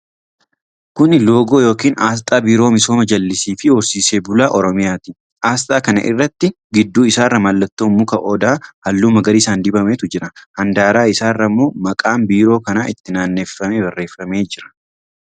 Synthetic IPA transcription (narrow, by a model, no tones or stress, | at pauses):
kʊnɪlo̞ːɡoːjo̞ːkiːnʔaːst̪ʼaːbiːɾo̞ːmɪso̞ːmɐd͡ʒɐlːɪsiːfɪhɔɾsiːseːbʊlaːʔɔɾɔmɪjaːt̪i | ʔaːst̪ʼaːkɐnɐ̰ʔɪ̰rːɐt̪ːɪ | ɡɪd̪ːuːɪsaːrːɐmɐlːɐt̪ːoːmːʊkɐʔɔd̪aːhɐlːuːmɐɡɐɾiːsaːnd̪ɪbɐmeːt̪ʊd͡ʒɪɾɐhɐnd̪aːɾaːɪsaːrːɐmːo̞ːmɐkʼaːmbiːɾo̞ːkɐnaːʔɪt̪ːɪnaːnːeːfɐmebɐrːe̞ːfɐme̞ːd͡ʒɪɾɐ̥